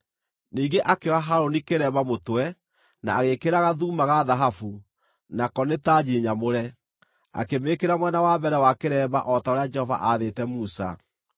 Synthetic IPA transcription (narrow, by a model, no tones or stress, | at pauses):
niːɡeʔakewaɦaɾonikeɾɛːbamotwɛ | na̰ːɣekeɾaɣaðuːmaɣaðaɦafu | nakɔnetad͡ʑiɲamoɾɛ | a̰kemekeɾamwɛnawabɛɾɛwakeɾɛːba̰ʔɔtaoɾead͡ʒɛhɔva̰ʔaðetɛmusa̰